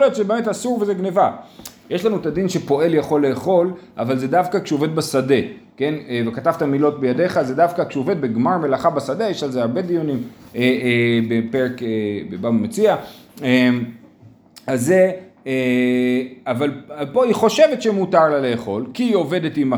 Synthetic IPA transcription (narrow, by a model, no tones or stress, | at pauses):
olojotʃezebemetasuʁvezeɡneva | jeʃlanuetadinʃe̞po̞e̞ljaχo̞lːe̞ːχo̞lʔa̰valze̞dafkakʃeoved̪basade̞ke̞nevekatavt̪amilo̞t̚bejade̞χazedafkakʃeove̞d̚beɡmaʁme̞laχabasadejeʃalzeaʁbe̞d̪ijonimeebepeʁekebebammet͡siaem | azee | avalapoiχo̞ʃe̞vetʃemutaʁlale̞ːχo̞lkiːo̞ve̞detima